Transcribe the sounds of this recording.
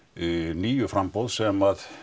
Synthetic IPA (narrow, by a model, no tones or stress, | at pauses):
niːjʏfɾampɔwðsɛmað